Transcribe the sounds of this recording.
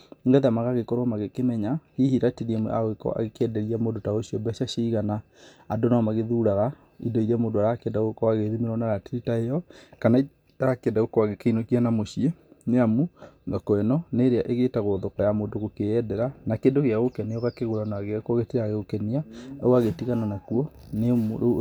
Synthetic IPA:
ŋɡɛðamaɣaɣekɔɾamaɣekemɛɲahihiɾateɾiemwɛ̰ʔa̰ɣwekɔ̰ʔa̰ɣekɛdɛɾiamodotaoɕiɔbɛʃaʃiːɣana | adonamaɣeðuɾaɣa | ḭdɔiɾeamoːndoaɾakeɛndaoekɔaɣeðimeɾɔnaɾateɾitaejɔkanai | aɾakɛndaɣokɔwaɣekeinokianamoɕieneamuŋɡakwɛnɔneɾeaʔeɣetaɣoðɔkajamoːndoɣokeɛdɛɾanakendoɣeaɣokɛneɔɣakeɣoɾanaaɣeakɔɣetiɾaɣeɣokɛniaoaɣetiɣananakuɔnem

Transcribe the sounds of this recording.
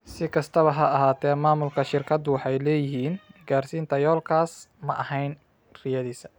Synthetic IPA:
sɪkʰɐst̪ʰɐβɐɦɐɐɦaːt̪ʰɛːmaːmʊlkʰɐʃɪrkʰɐd̪ʊwɑħɑjlɛːjɪɦiːnɡaːrsiːnt̪ʰɐjɔːlkʰaːsmɐʔɐhɛjn | rɪjɐðiːsɐ

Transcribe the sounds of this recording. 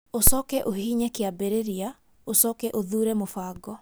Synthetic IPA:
osɔkɛʔohiɲɛkeabeɾeɾia | osɔkɛʔoðuːɾɛmofaːɡɔ

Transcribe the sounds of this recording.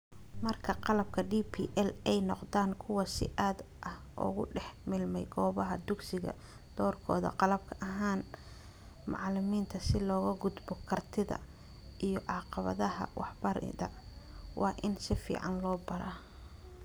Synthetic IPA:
mɐrkʰɐqɑlɐb̚kʰɐɖiːpʰḭːʔɛlɛjnɔqd̪aːŋkʰʊwɑsɪ̰ʔaːd̪ʔɐhʔɔ̰ːɣʊ̰ɖɛħmɪlmɛjɡɔːβɐɦɐd̪ʊɡsɪɣɐ̰ | d̪̥ɔːrkʰɔ̰ːðɐ̰qɑlɐb̚kʰɐʔɐɦaːn | mɑ̰ʕlɪmiːnt̪ʰɐsɪlɔːɣɐɡʊd̪bɔkʰɐrt̪ʰɪðɐ̰ | ʔijɔʕɑːqɑβɐ̰ðɐɦɐ̰wɑħbɐɾɪ̰ðɐ̰wʔɑːʔɪnsɪfḭːʕɑnlɔːbɐɾa

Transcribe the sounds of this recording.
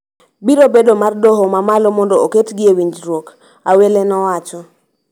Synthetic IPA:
biɾobedomardɔɦɔmamalɔmɔndɔoketɡɪewiɲd͡ʒɾwok | awelenɔwat͡ʃɔ

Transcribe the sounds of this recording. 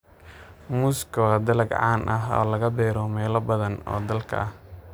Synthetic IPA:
mʊskʰɔd̪ɐlɐɡʕɑːnʔɐɦɔ̰ːlɐɣɐbɛːɾɔmɛːlɐbɐðɐnɔ̰ːd̪ɐlkʰɐ̰ɐh

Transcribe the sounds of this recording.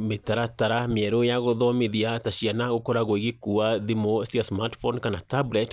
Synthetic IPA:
metaɾataɾameɛɾojaɣoðɔmeðiataɕianaɣokɔɾaɣoiɣikuaðimosiasmaɾtfɔnkanatablɛt

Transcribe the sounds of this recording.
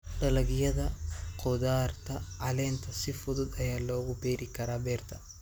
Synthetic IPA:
ɖɐlɐɣjɐðɐqʰɔðaːrt̪ʰɐʕɐlɛːnt̪ʰɐsɪfʊðʊd̪ɐjaːlɔːɣʊbɛːɾɪkʰɐɾaːbɛːrt̪ʰɐ

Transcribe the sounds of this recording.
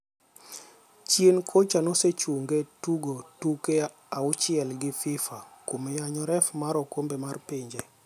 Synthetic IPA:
t͡ʃjenkʰot͡ʃanoset͡ʃuŋɡetuɡotuke | aʊt͡ʃɪɛlɡɪfɪfakomejaɲɔɾɛfmaɾɔkombemarpeɲd͡ʒe

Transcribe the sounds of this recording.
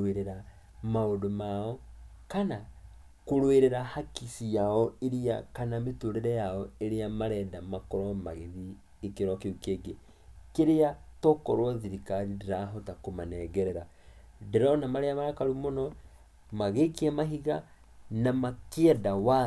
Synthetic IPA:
eɾɛɾa | maodomaɔkana | koɾweɾɛɾahakisijaɔeɾia̰kanametoɾeɾɛjaɔeɾeamaɾɛdamakɔɾɔma̰ɣeði | ekeɾɔkeukeːɡe | keɾeatɔkɔɾwɔðiɾikaɾideɾaɦɔtakomanɛɡɛɾɛɾa | deɾɔnamaɾeamaɾakaɾumɔnɔ | maɣekiamaɦiɣa | namakeɛdawa

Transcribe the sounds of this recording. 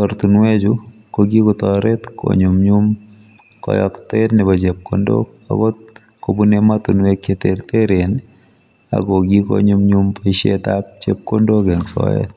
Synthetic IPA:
tɔɾt̪unwed͡ʒʊ | koɡikɔt̪ɔɾet̪kʰo̰ɲʊmɲum | kɔ̰jɔ̰kt̪et̪nɪbat͡ʃep̚ko̰ndo̰ | a̰ɡo | kobunemat̪unwekːet̪eɾt̪eɾen | a̰ɡoɡiko̰ɲʊmɲumpɔiʃḛt̪ap̚t͡ʃep̚kondoɡɛŋsɔ̰ḛt̪̚

